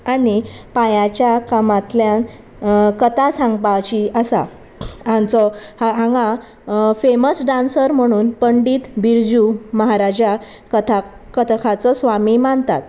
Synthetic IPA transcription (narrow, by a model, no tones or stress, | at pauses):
anipajat͡ɕjakamat̪ljãn | kət̪asãŋɡpat͡ɕiəsa̰ | ãnt͡sɔhɦãŋɡa | feməsɖansəɾm̤əɽ̃uːnpəɳɖiːt̪biɾd͡ʑuməɦaɾad͡ʑa | kət̪ʰa | kət̪ʰkʰat͡sɔsʋamimaɳt̪a̰t̪̚